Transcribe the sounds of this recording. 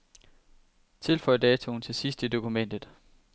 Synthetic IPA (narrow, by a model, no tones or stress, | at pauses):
t͡sʰe̝lfɒ̽ɪɐd̥ɛːt͡sʰo̝n̩t͡sʰe̝sisd̥id̥o̝kʰumen̰d̥ð̩ˠ